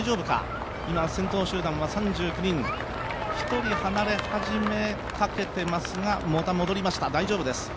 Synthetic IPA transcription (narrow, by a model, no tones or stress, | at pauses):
ʑo̞ːbɯ̟ka̰ | imasẽ̞nt̪o̞ːɕɨːd̪ãɰ̃βasãɲ̟d͡ʑɨːkɯ̟ɲ̟ĩŋ | çi̥t̪o̞ɾʲihanaɾe̞haʑime̞ | kake̞t̪emasɨɡamot̪amo̞d̪o̞ɾʲimaɕi̥t̪ad̪aiʑo̞ːbɯd̪e̞sɨ̥